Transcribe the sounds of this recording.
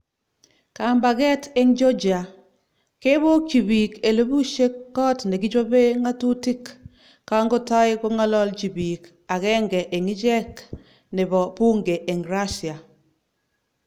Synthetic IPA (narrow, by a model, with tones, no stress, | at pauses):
ka˨mba˨ɡɛ˦te˦ŋd͡ʒɔ˦d͡ʒi˨a˨ | ke˦bo˦t͡ʃi˨bi˨ke˨lo˦bu˦ʃe˦kːɔ˦tne˨ɡɪ˦d͡ʒo˦be˦ŋa˦tu˦ti˦kː | a˦ŋɡo˦ta˦ɪ˦ɡɔ˦ŋa˦lɔ˦lt͡ʃi˨bi˨k | a˨kɛ˦ŋɡɛ˨ʔe˨ŋɪ˦d͡ʒɛ˦k | nɪ˨bɔ˨pu˦ŋɡe˨ʔe˨ŋɾa˦sja˨